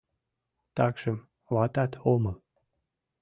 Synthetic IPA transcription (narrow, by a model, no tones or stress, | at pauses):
t̪ɑkʃəm | βɑt̪ɑt̪omɤl